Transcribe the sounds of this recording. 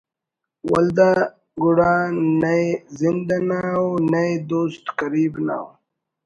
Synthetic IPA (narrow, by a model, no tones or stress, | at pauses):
wɐld̪a | ɡuɽaːnɐezind̪anaonɐed̪oːst̪kɐɾiːbna̰o